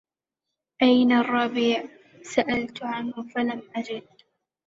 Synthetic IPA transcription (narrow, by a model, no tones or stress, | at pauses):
ʔajnarˤːɑbiːʕ | saʔalt̪ʕanhʊfalamʔad͡ʒɪd̪̚